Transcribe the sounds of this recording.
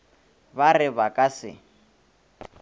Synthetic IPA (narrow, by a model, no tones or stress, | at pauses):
βarɪβakʼasɪ̰